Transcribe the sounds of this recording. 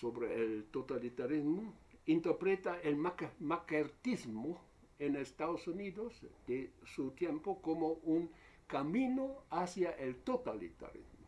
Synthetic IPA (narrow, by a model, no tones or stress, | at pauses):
soβɾeelt̪ot̪alit̪aɾizmoint̪eɾpɾet̪aelmakmakeɾt̪izmo | enest̪aðosuniðozd̪esut̪jempokomouŋ | kamĩnoasjaʔelt̪ot̪alḭt̪a̰ɾḭzmo